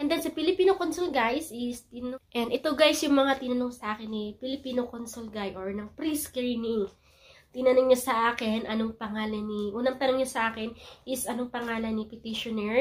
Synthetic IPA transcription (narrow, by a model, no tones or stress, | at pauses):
ʔɛnd̪ɛnsɐpɪlɪpiːnokonsolɡajsɪst̪ɪnoʔɛnd̪ɛt̪oɡajsjʊŋmɐŋat̪ɪnɐnoŋsɐʔaːkɪnːipɪlɪpiːnokonsolɡajʔoɹnɐŋpɾiskɹinɪŋ | t̪ɪnɐnoŋɲasɐʔaːkɪnʔɐnoŋpɐŋaːlɐniʔuːnɐŋt̪ɐnoŋɲɐsɐʔaːkɪnʔɪsʔɐnoŋpɐŋaːlɐnipɪt̪iʃonɛɹ